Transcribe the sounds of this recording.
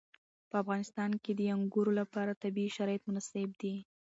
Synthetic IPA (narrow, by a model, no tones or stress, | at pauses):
pəafɣɑnɪst̪ɑnked̪əjaŋɡuɾolapɑɾat̪abiʃaɾɑjt̪mʊnaseb̚d̪i